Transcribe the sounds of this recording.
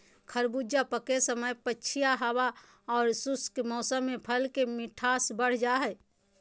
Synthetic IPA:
kʰəɾbuːd͡ʒapəkesəməjpətːt͡ʃʰijaɦəwa | ɔːɾsʊskmɔːsəmːẽpʰəlkemɪʈʰaːsbəɽ̤d͡ʒaɦɛː

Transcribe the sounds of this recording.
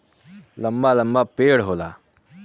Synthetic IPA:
ləmbaːləmbaːpeːɽɦoːlaː

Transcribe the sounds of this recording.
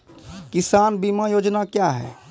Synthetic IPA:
kisanbimajoːd͡ʒnakjaɦɛ̰

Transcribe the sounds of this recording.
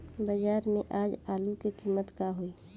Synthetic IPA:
bəd͡ʒaːɾmḛʔaːd͡ʒaːlukekimːət̪kaɦoi

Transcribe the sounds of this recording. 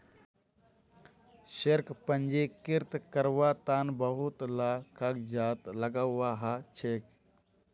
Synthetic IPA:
ʃeɾkpənd͡ʒekɪɾt̪kəɾʋaːt̪aːnbəɦʊt̪laːkəkd͡ʒaːt̪ləɡawaɦat͡ʃʰeːk

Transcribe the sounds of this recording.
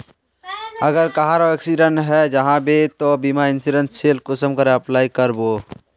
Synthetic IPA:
əɡəɾkaɦaɾoɛːksiɖənɦɛd͡ʒəɦãbʱet̪obimaɪnsiɖə̃nseːlkʊsəmkəɾeɐplaːikəɾboː

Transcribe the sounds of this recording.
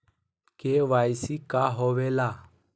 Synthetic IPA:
keʋajsikaɦoʋela

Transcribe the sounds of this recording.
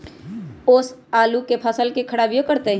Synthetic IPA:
oːsaːlukepʰəsəlkekʰəɽaːʋijokəɾt̪e

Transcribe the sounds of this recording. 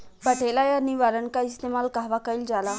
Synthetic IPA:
bəʈʰelajaniʋaːɾənkaist̪emaːlkaɦʋakəild͡ʒaːla

